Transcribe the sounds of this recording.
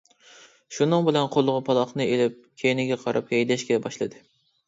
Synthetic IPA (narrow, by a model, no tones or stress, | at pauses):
ʃunɨŋbɪlɛnqʰolˠʁʊpʰɑlˠɑχnɨelɪp̚kʲʰejnɪɡʲɛqʰɑɾʔɑphɛjd̪ɛʃkʲɛbɑʃlˠɨd̪ɨ